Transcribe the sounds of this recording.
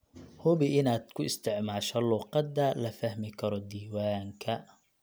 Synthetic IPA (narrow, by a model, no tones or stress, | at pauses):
hʊbɪɪnaːd̪̥kʰʊɪst̪ʰɪʕmaːʃɐluːqɑd̪ɐlɐfɐhmɪkʰɐɾɔd̪iːwaːŋkʰɐ